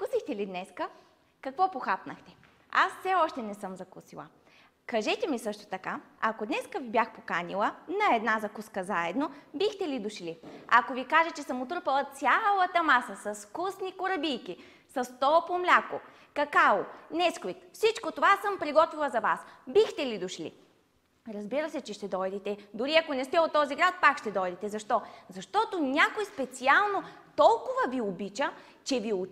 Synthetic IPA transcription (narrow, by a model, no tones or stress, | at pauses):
kusixt̪ɛlid̪nɛskə | kɐkvɔpoxapnəxt̪ɛ̥ | asfsɛɔʃt̪ɛnɛsɤmzɐkusilˠə̰ | kɐʒɛt̪ɛmisɤʃt̪o̥t̪ɐkaɐkod̪nɛskəvibʲjaxpokanilˠənɐɛd̪nazɐkuskəzaɛd̪nobixt̪ɛlid̪ʊʃliɐkovikaʒɛt͡ʃɛsəmot̪ɾɤpəlˠət̪sʲjalˠət̪ɐmasəsɐskusnikoɾɐbijki | sɐst̪ɔpomlʲako | kɐkaonɛskoit̪fsit͡ʃkot̪ovasəmpɾiɡɔt̪vilˠəzɐvasbixt̪ɛlid̪ʊʃlḭ | ɾɐzbiɾəsɛt͡ʃɛʃt̪ɛd̪ɔjd̪ɛt̪ɛd̪ʊɾiɐkonɛst̪ɛot̪ːɔziɡɾat̪̚pakʃt̪ɛd̪ɔjd̪ɛt̪ɛzɐʃt̪ɔzɐʃt̪ɔt̪onʲakojspɛt̪sialˠnot̪ɔlˠkʊvɐviobit͡ʃə | t͡ʃɛvio